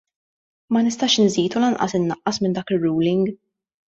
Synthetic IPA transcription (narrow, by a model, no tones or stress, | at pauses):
mɐnɪst̪ɐːʃɪnziːt̪ulɐnʔɐ̰sɪnːɐʔːɐsmɪnd̪ɐːkɪrːuːlɪŋɡ